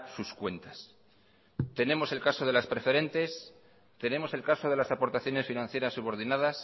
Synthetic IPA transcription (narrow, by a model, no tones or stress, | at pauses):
suskwe̞nt̪ḁs | t̪e̞ne̞mo̞se̞lkaso̞ð̞e̞laspɾe̞fe̞ɾe̞nt̪e̞s | t̪e̞nẽ̞mo̞se̞lkaso̞ð̞e̞lasapo̞ɾt̪aθjo̞ne̞sfinãn̟θje̞ɾasːuβ̞o̞ɾð̞inaðas